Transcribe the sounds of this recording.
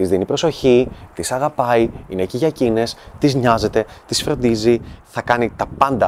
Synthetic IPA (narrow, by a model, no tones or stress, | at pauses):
izðinipɾo̞so̞çit̪isɐɣɐpɐiineciʝɐcine̞st̪izɲɐze̞t̪e̞t̪isfɾo̞nd̪iziθɐkɐnit̪ɐpɐnd̪ɐ